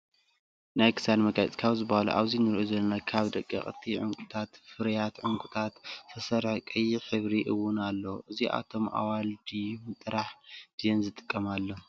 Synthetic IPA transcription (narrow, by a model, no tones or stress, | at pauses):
najkʰɨ̥sad̪mɐɡaj̰t͡sʼkʰaβzɨbahalṵʔa̰βzinɨɾʔuzɐlːɐnakʰaβd̪ɐkʼːḭχʼt̪ʰiʕʊŋkʼu̥t̪ʰat̪fɨɾjat̪ʕʊŋkʼut̪ʰat̪t̪ʰɐsɐɾħkʼɨjːiħɨβɾiʔɨwʊnalːoʔɨziʔa̰t̪ʰo̞mʔa̰wald̪imɨt̪ʼɾaħd̪̥ɨjɛnzɨt̪ʼɨ̥kʼːɐmalːo